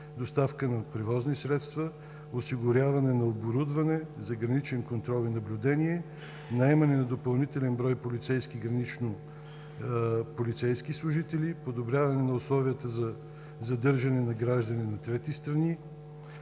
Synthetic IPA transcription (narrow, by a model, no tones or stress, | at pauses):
d̪ost̪afkənɐpɾɛvɔznisɾɛt̪st̪vɐ | osiɡʊɾʲjavɐnɛnɐoboɾud̪vɐnɛzɐɡɾɐnit͡ʃɛnkont̪ɾɔlˠinɐblʲʊd̪ɛniɛ | nɐɛmɐnɛnɐd̪opɐlˠnit̪ɛlɛnbɾɔjpolit̪sɛjskiɡɾɐnit͡ʃno | polit̪sɛjskislˠʊʒit̪ɛlʲipod̪obɾʲavɐnɛnɐʊslˠɔviət̪əzɐ | zɐd̪ɤɾʒɐnɛnɐɡɾaʒd̪ɐninɐt̪ɾɛt̪ist̪ɾɐni